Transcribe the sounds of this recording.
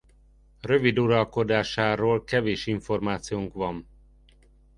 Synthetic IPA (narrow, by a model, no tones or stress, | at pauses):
rø̞vid̪uɾɒlko̞d̪aːʃaːɾoːlkɛveːʃiɱfo̞rmaːt̪sijoːŋkvɒɱ